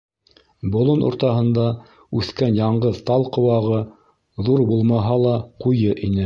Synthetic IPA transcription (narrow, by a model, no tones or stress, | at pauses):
bŏlˠonʔo̰ɾt̪ɑɦɤ̆nd̪ɑ | ʉθkænjɑɴɢɤðt̪ɑlˠqŏwɑʁɤ | ðuɾbulˠmɑɦɑlˠɑqujɤʔinɘ